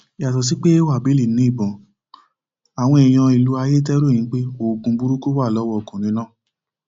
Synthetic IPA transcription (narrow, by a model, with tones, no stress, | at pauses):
i˨a˨s̬ɔ˨s̬i˨˦k͡pe˦e˦wa˦˨bi˨˦li˦˨nĩ˦i˦˨bɔ̃˨ | a˨w̃ɔ̃˧ɛ˨j̃ã˧i˨lu˨˦a˧je˦t̬ɛ˦ɾõ˦˨ĩ˨˦k͡pe˦o˦˨ɡũ˧bu˦ɾu˦ko˦wa˦˨lɔ˨˦wɔ˦ɔ˨kũ˨nĩ˨˦nãː˦˨